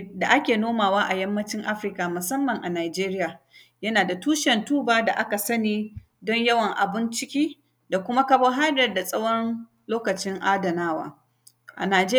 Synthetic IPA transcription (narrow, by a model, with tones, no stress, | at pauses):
da˨ʔa˦kʲeː˨noː˦maː˨waː˦ʔa˨jɐ˦mːɐ˦t͡ʃɪ˦ŋʔa˦ɸɾɪ˦ka˨mʊ˨sɐ˦mːɐ˨ŋʔa˨naː˨d͡ʒeː˦ɾɪ˦jaː˨ | jɐ˦naː˨da˨tuː˦ʃɛ˨ntuː˦baː˦da˨ʔa˦ka˨sɐ˦niː˨ | dɔ˦ɲjɐ˦wɐ˨ŋʔa˨bɪ˦nt͡ʃɪ˦kʲiː˦ | da˨kʷʊ˦ma˦kɐ˦bo˦ɦa˦jɐ˨rda˨sʼɐ˦wɔ˦n | loː˦kɐ˨t͡ʃɪ˦ŋʔa˦dɐ˨naː˦wa̰ː˨ | ʔa̰˨naː˨d͡ʒe˦